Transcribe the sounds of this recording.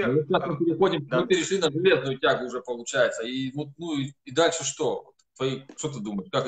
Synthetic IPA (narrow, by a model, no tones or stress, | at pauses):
omɨasmɨpʲɪɾʲɪxo̞dʲɪmmɨpʲɪɾʲɪʂlʲinəʐɨlʲe̞znʊjʊtʲaɡʊːʐɛpəlˠʊt͡ɕæjɪt̪səivo̞t̪̚nuiːd̪alʲʂɨʂt̪o̞vot̪t̪vɐiʂt̪ot̪əd̪umətʲkak